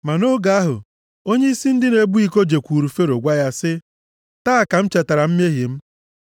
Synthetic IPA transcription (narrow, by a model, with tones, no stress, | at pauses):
ma˨no˦ɡa˨a˦ɦʊ̰˨ | o˦ɲe˦i˦si˦n̩˦dɪ˦ne˨bu˦i˨ko˦d͡ʒe˨kʷuː˨ɾu˨fe˦ɾo˨ɡʷa˦ja˦sɪ˦ | taː˦˨ka˨m̩˦t͡ʃe˨ta˨ɾa˨m̩˦m˦e˦ɦi˨m̩˦